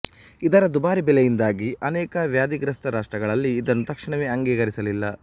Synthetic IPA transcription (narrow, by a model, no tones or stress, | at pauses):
id̪ɐɾɐd̪ubaːɾibɛlejind̪aːɡiʔɐnɛːkɐʋjaːd̪iɡɾɐst̪ɐɾaːʂʈɾɐɡɐɭɐlːiːd̪ɐnːut̪ɐkʂiɳɐʋeːɐŋɡiːɡɐɾisɐlilːɐ